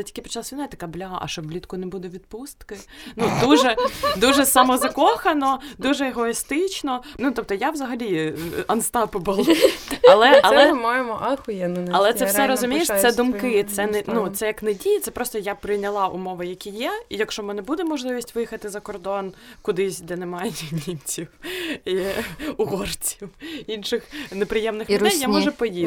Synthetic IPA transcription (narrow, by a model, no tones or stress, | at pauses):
ɛtʲi̥kʲɪpɔ̥t͡ʃɐlˠasʲinat̪ɐ̥kablʲaʔɐ̰ʃt͡ʃɔbblʲit̪kʊnɛbud̪ɛʋʲid̪̚pust̪kɪnud̪uʒɛd̪uʒɛsamɔzɐkɔxɐnɔd̪uʒɛːɦɔist̪ɪt͡ʃnɔnut̪ɔp̚t̪ɔjaʋzɐɦɐlʲiɐnst̪ɑpʊbʊlˠɔɐlˠɛɐlˠɛmajemɔʔɑxʊjɛnnɐlˠɛt̪sɛfsɛɾɔzʊmʲijeʃɛd̪ʊmkɪt̪sɛnɛnut̪sɛjɐknɛdʲijɛt̪sɛpɾɔst̪ɔjapɾɪjnʲɐlˠɑʔʊ̰mɔʋɐjɐkʲijɛijɐkʃt͡ʃɔmɛnɐbud̪ɛmɔʒlˠɪʋʲisʲtʲʋɪjxɐt̪ɪzɐkɔrd̪ɔnkʊd̪ɪsʲd̪ɛnɛmɑjɛmʲimʲt͡sʲiwiʊɦɔrt͡sʲiwinʃɪxnepɾɪjɛmnɪxlʲɛjjamɔʒɛpɔji